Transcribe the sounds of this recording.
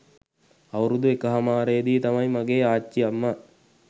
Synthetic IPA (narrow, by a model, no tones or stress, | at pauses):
ɐwɾud̪uekəɦɐmaːɾejd̪iːt̪ɐmɐjmaɡeːaːt͡ʃːiɐmːə